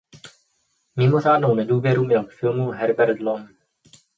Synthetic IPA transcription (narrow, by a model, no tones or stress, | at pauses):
mɪmo̞ʐaːdnownɛduːvjɛɾumɲɛlkfɪlmuɦɛɾbɛɾd̪lom